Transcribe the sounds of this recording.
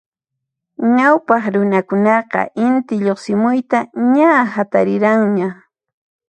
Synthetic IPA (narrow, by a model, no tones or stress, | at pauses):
ɲawpɑχɾʊnakʊnɑqɑ̰ʔɪnt̪ɪʎoχsɪmʊjt̪aɲahat̪aɾɪɾaŋɲa